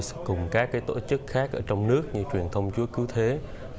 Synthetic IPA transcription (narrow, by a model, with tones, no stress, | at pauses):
skʊ˨˩ŋ͡mkaː˦˥kːaː˨˦jt̪o̰˧˩t͡ɕɨ˦˥k̚xaː˦˥k̚ʔəː˧˩t͡ɕɔ˧wŋ͡mnɨ˦˥ək̚ɲɨ˧t͡ɕwi˨˩ənt̪ʰə˧wŋ͡mt͡ɕu˨˦əkɨ˨˦wt̪ʰe˨˦